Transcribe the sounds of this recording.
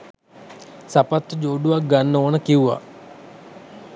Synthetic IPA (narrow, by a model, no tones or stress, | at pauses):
sapat̪ːəd͡ʒoːɖuʋak̚ɡanːoːnəkiuʋa̰